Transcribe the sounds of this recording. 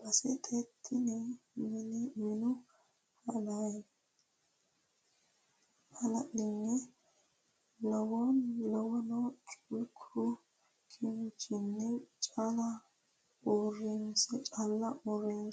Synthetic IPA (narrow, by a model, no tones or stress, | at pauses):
b̥ɐsɛt̪ʰʼet̪ʰːɪnɛmɪnɛmɪnʊ | hɐd̪aj | hɐlɐʔɪnːɛ | lɔwɔnlɔwɔnɔt͡ʃʼukʰʊ | kʰɪnt͡ʃɪnːɛt͡ʃʼalɐ | orɪnsɛt͡ʃʼalːɐʔɔren